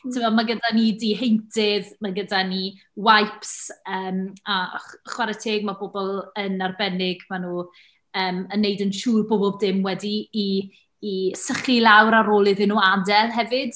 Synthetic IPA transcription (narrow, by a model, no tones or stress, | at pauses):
tʰəmɔmaɡədanidiɦejntʰɪðmaɡədani | wajpsəːmaχwaɾɛtʰeːɡ̚maboːbɔlˠənarbɛnɪɡmanuː | əːmənːejdənʃuːrboɔbɔlˠbdɪmwɛdiː | səχilˠawɾaɾoːlˠɪðɪnuːadɛlˠɦɛvɪd̥